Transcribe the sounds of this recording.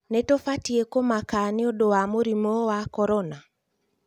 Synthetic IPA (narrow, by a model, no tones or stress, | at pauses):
netofatiekomakaneodowamoɾimɔwakɔɾɔna